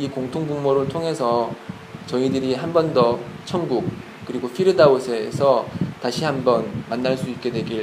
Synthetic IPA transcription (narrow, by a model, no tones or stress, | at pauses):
ikoŋtʰoŋbuŋmoɾɯɭtʰoŋɦe̞sʰʌ | t͡ɕʌidɯɾiɦambʌndʌt͡ɕʰʌnɡuk̚ | k͈ɯɾiɡopʰiɾɯdaosʰe̞̰ːsʰʌtaɕʰiɦhambʌnmanːaɭs͈uip̚k͈e̞dwe̞ɡiɭ